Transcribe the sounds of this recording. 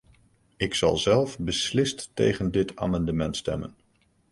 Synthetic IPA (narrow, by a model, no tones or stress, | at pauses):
ɪksɑ̰lˠzɛlˠfbəslɪstːejχəndɪtʰa̰ːmɑndəmɛntstɛ̰mə̰n